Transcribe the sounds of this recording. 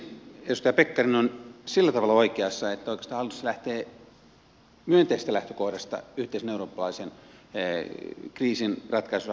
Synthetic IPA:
edust̪ɑjɑpekːɑrinonsilːæt̪ɑʋɑlɑoikeɑsːɑet̪ːæoikest̪ɑːhɑlːˑt̪u̥sɑlæht̪eː | myønt̪eisest̪ælæht̪økohdɑst̪ɑ̰yht̪eiseneuroːpːɑlɑisen | kriːsinrɑt̪kɑisusɑ

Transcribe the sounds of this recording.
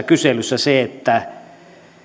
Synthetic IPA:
kyselysːæseet̪ːæ

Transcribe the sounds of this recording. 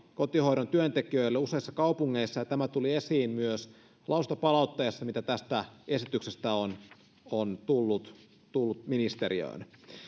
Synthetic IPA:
ko̞t̪iho̞jɾont̪yønt̪ekiøjlːeuse̞isːɑkɑupuŋːeisːɑjɑt̪æmæt̪ulie̞siːnmyøs | lɑust̪opɑlɑˑut̪ːɑjɑsːɑmit̪æt̪æst̪æe̞sit̪yksest̪æon | ont̪ulːut̪ | t̪ulːut̪minist̪eɾiø̰ːn

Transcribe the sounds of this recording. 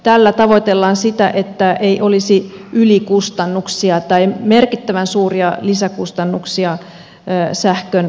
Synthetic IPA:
t̪ælːæt̪ɑʋot̪elːɑːnsit̪æʔet̪ːæeiʔolisiʔylikust̪ɑnːuksiɑt̪ɑimerkit̪ːæʋænsuːriɑlisækust̪ɑnːuksiɑː | sæhkøn

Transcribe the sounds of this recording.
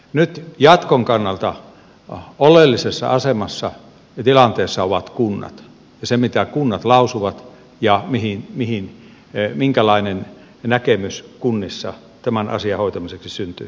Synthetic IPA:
nyt̪jɑt̪koŋkɑnːɑlt̪ɑ | olelːisesːɑ̰ɑsemɑsːɑ | jɑt̪ilɑnt̪eːsːɑoʋɑt̪kunːɑ̰t̪ | jɑsemit̪ækunːɑt̪lɑusuʋɑt̪ | jɑmihinmihin | miŋkælɑinen | nækemyskunːisːɑ̰ | t̪æmænɑ̰siɑhoit̪ɑmiseksisynt̪y̰ː

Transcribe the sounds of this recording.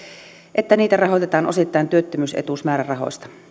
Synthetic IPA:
ʔet̪ːæniːt̪ærɑɦot̪et̪ɑːno̰sit̪ːɑent̪yøt̪ːømyːsḛt̪usmæːɾærɑɦo̰ist̪ɑ̥

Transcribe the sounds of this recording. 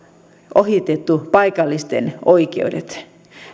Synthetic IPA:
ʔoɦit̪et̪ːupɑjkɑlːist̪enoikeudet̪

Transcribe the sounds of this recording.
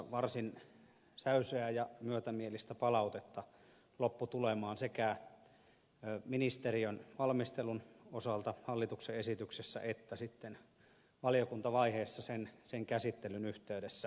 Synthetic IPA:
ʋɑrsin | sæysøæjɑmyøt̪æmielist̪æpɑlɑut̪et̪ːɑ | lopːut̪ulemɑːnsekæ | minist̪eriønʋɑlmist̪elunosɑlt̪ɑhɑlːit̪ukseesit̪yksesːæ̰ʔet̪ːæsit̪ːen | ʋɑlijokunt̪ɑʋɑiheːsːɑsenseŋkæsit̪ːelynyht̪eydesːæ

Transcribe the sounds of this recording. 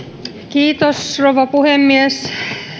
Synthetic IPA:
kiːt̪osroʋɑpuhemːiæs

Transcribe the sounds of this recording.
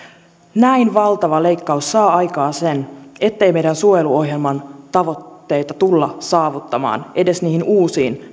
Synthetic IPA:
næinʋɑlt̪ɑʋɑle̞jkːɑusːɑːɑjkɑːsene̞t̪ːe̞jme̞jdænsuojeluo̞hje̞lmɑnt̪ɑʋot̪ːe̞jt̪ɑt̪ulːɑsɑːʋut̪ːɑmɑ̰ːnʔe̞de̞sniːhinuːsiːn

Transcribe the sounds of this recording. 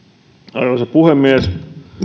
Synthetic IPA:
ɑiʋɑsɑpuhemːies

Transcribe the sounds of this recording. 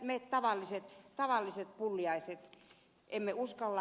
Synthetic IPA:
met̪ɑʋɑlːiset̪t̪ɑʋɑlːiset̪̚pulːiɑiset̪ | ʔemːeuskɑlːɑ

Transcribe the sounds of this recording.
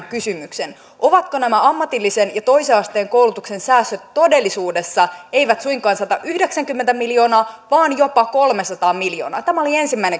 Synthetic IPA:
kysymyksen | ʔoʋɑt̪konæmæɑmːɑt̪ilːisenjɑt̪o̞iseɑst̪eːŋkowlut̪ukse̞nsæːsːøt̪ːo̞de̞lːisuːdesːɑe̞jʋæt̪suiŋkɑːnsɑt̪ɑʔyhde̞ksæŋkymːent̪æmiljo̞ːnɑːʋɑːnjo̞pɑkolmesɑt̪ɑːmiljo̰ːnɑ̰ːt̪æmæolie̞nsimːæine

